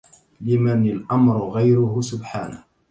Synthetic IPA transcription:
lɪmanalʔamɾʊɣajɾʊhʊsʊbħaːnah

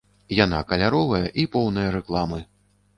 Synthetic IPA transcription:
jana̰kɐlʲaɾɔvɐjɐʔipɔwnɐjɐɾɛklˠamɨ

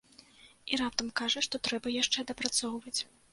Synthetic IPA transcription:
iɾap̚t̪ɐmkaʐɐʂt̪ɔt̪ɾɛbɐjaʂt͡ʂɛd̪ɐpɾat̪sɔwvɐt͡sʲ

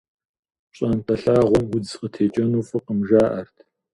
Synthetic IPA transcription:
ɕʼɐntʼɐɬaːʁʷɔmwʊd͡zqətʰeːt͡ʃʼɐnuːfɨqəmʒaːʔɐrtʰ

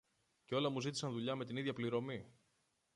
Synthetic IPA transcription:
ceo̞lɐmuzit̪̬isɐnðuʎɐme̞t̪iniðʝɐpliɾo̞mi

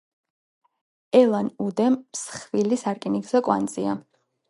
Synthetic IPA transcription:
ɛlˠanud̪ɛmsχvilisaɾkʼiniɡzɛkʼwa̰nd̪zʼia

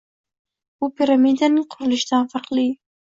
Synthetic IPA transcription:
upiɾamid̪aniqʰʊɾlɪʃt̪ɑːnfaɾqliː

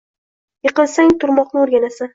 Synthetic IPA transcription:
jɨqɨlˠsaŋt̪ʰʊɾmɒqnɪoɾɡʲanasa

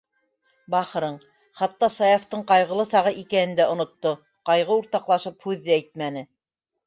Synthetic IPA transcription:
bɑχɤ̆ɾɤɴ | χɑt̪ːɑsɑjɑft̪ɤɴqɑjʁɤ̆lˠɤsɑʁɤʔikænɘ̆nd̪æŏnŏt̪ːo | qɑjʁɤuɾt̪ɑqlˠɑʃɤphʉðːɘæjt̪̚mænɘ

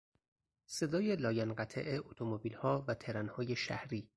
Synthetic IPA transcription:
se̞d̪ɒːje̞lɒːjænɢæt̪ʰḛʔeʔot̪ʰomobiːlhɒːvæt̪ʰe̞ɾænhɒːje̞ʃæ̰hɾiː

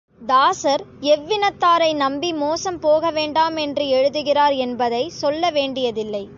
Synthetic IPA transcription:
d̪aːsɐɾɛʋːɪnɐt̪ːaːɾɐɪnɐmbimoːsɐmpoːɣɐʋeːɳɖaːmɛndrɯɛɻɯðɯɣɪraːɾɛnbɐðɐɪsɔlːɐʋeːɳɖɪjɐðɪlːɐɪ

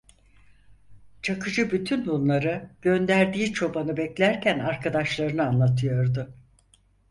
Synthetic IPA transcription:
t͡ʃʰakʰɯd͡ʒɯbyt̪ʰynbunlˠaɾɯɟ̥ø̞nd̪æɾd̪iːt͡ʃʰo̞banɯbɛclʲæɾcʰænaɾkʰad̪aʃlˠaɾɯnɯanlˠat̪ʰɯjo̞ɾd̪ʊ

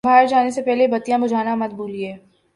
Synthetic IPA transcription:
bʱaːɾd͡ʒaːnesepɛɦlebɐt̪ijãbʊd͡ʒʱaːnamɐt̪̚bʱuːlieː

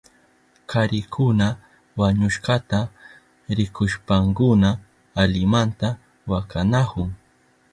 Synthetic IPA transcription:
kʰaɾɪkʰʊna | waɲʊʃkat̪a | ɾɪkʊʃpaŋkʊnaː | lɪmant̪a | wakanakʊŋ

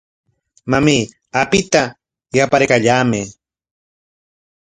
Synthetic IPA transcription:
mami | apɪt̪a | japaɾkaʎaːmɪ

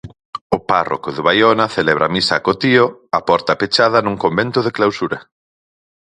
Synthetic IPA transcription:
ʊparo̰koðɪβajonɐθelɛβ̞ɾʔamisakot̪ioapɔɾt̪ɐpet͡ʃaðɐnũŋkombent̪ʊðɪklawsuɾɐ

